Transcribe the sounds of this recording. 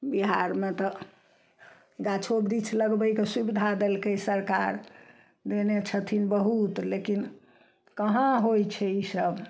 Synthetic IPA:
biɦaɾmet̪ɔ | ɡat͡ʃʰobɾit͡ʃʰləɡbəjkesubid̪ʱad̪elkesəɾkaɾ | d̪enet͡ʃʰət̪ʰinbəɦut̪lekin | kəɦãɦojt͡ʃʰɛisəb

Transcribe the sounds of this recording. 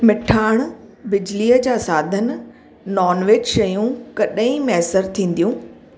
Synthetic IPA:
mɪʈʰaːɽ̃bɪd͡ʑliːəd͡ʑaːsaːd̪ʱənɪ̆ | nɔːnʋeːd͡ʑʃɐjũkɐɗĩmɛɦsəɾt̪ʰĩːn̆d̪ijũː

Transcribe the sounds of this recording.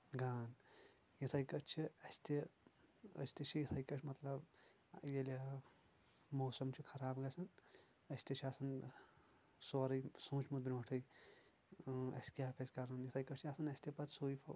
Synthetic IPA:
ɡaːn | jit̪ʰɐjkɐt͡ʃʰiɐsʲt̪i | ə̰sʲt̪it͡ʃʰijit̪ʰɐjkɐt͡ʃʰmɐt̪lɐb | jele | moːsɐmt͡ʃʰikʰɐɾaːbɡɐsʰɐn | ɐsʲt̪et͡ʃʰiasɐn | soɾɐjsũːt͡ʃʰmut̪̚bʲiɾõːʈʰɐj | ɐ̰skʲjaːpʰeskɐɾnɐnjit̪ʰɐjkɐt͡ʃʰiasɐnɐsʲt̪ipɐt̪soːjpʰɐ

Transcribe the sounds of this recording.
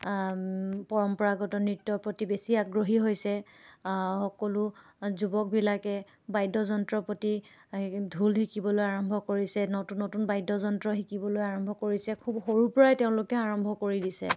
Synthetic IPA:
pɔɹɔmpɔɹaɡɔtɔnɹitːɔɹpɹotibesiaɡɹoɦiɦojsɛ | xɔkɔlʊ | zubɔk̚bilakɛ | bajdɔzɔntɹɔpoti | dʱulɦikibɔlojaɹɔmbʱɔkoɹisɛnotunːotunbajdɔzɔntɹɔxikibɔlojaɹɔmbʱɔkoɹisɛkʰubxoɹupɔɹajteʊ̃lʊkɛaɹɔmbʱɔkoɹidisɛ̰

